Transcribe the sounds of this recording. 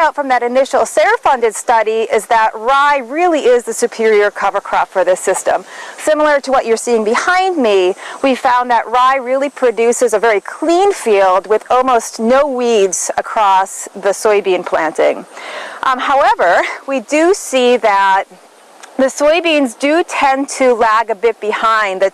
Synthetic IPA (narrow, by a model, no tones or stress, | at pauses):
aʊtfɹʌ̃mðɨɾɨnɪʃl̩ˠseɪə˞fʌ̃ndɨd̥stʌɾiɪzðəʔ̚ɹaɪɹɪlˠiʔɪzðɨsʉpʰɪɹiə˞kʰʌvə˞kʰɹ̥ɔftfə˞ðɪsɪstə̰̃msɪ̃ml̩ˠə˞ɾəwʌt͡ʃə˞siɪ̃ŋbɨhãɪ̃nmiwi̥fãʊ̃nðəʔɹaɪɹɪlˠipʰɹ̥ɨdʉsɨzɨvɛɹikʰl̥ĩnfilˠd̚wɨðɔlˠmoʊsnoʊwidz̥ɨkʰɹ̥ɔsðɨsɔɪbĩnpʰl̥æ̃ntɪ̰̃ŋ | haʊɛvə˞widɨsiðɨt̪̚ | ðɨsɔɪbĩnzdɨtʰɛ̃ntʰɨlæɡɨbɪt̚b̥ɨhãɪ̃nðɨ